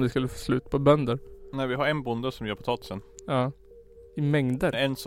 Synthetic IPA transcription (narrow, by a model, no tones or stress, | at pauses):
d̪ɪskɵlːəfoːslʉ̟ːt̪pʰɔbœnd̪əɾnævɪɦaɾɛnbʊnd̪əsɔmvɪjːpʰɔt̪ɑːt̪ɪ̥sənjɑː | ɪmɛŋd̪əɛns